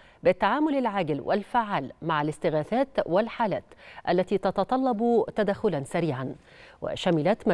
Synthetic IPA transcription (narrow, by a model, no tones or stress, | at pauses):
bɪt̪ːaʕaːmʊlɪlʕaɡlwʔɪ̰lfaʕːaːlmaʕalɪst̪ɪɣaːθaːt̪wɪlħaːlæːt̪ʔalːat̪iːt̪ɑt̪ɑt̪ˤɑlːɑbt̪ad̪axʊlansaɾiːʕan | wɪ̰ʃamɪlat̪ma